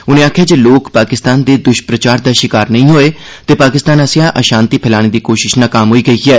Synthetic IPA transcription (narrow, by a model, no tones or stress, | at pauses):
ʊnẽːaːkʰjaːd͡ʒeːloːkpaːkɪst̪aːnd̪eːd̪ʊʃpɾət͡ʃaːɾd̪aːʃɪkaːɾnəĩːɦoːeː | t̪eːpaːkɪst̪aːnəsjãːʔəʃãːnt̪iːpʰɪlaːɽ̃eːd̪iːkoːʃɪʃnãːkaːmɦoːiːɡəiːɛː